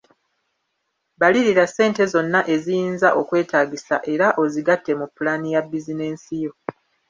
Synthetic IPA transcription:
baliɾiɾase̞ːnte̞zo̞nːaʔe̞zijiːnzaʔo̞kwe̞ːtaːɟisa̰ʔe̞ɾaʔo̞ziɡatːe̞mupːulaːnijabːizine̞ːnsijo̞

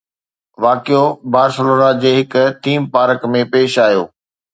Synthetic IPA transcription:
ʋaːkijobaːɾsəloːnad͡ʑeːɦɪkʊ̆t̪ʰiːmpaːɾəkmẽpeːʃaːijo̰ː

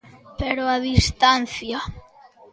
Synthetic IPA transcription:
peɾoaðist̪an̟θja

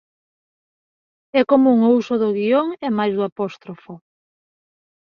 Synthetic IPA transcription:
ɛkomuuŋousʊðʊɣioŋɛmajzðʊapɔst̪ɾofʊ

